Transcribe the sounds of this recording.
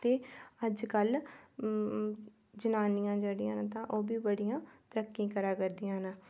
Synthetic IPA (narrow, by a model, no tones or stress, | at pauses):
t̪eːəd͡ʒkəl | d͡ʒənaːnɪjãːd͡ʒəɽijãːnːt̪ãːʔoːbiːbəɽijãːt̪əɾəkːĩːkəɾaːkəɾd̪ijãːnaː